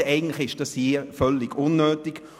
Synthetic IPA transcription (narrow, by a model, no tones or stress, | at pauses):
ɛɪɡən̩tlɪχɪʃd̥ɑshifœlːiɡʊnːøːtiɡ̥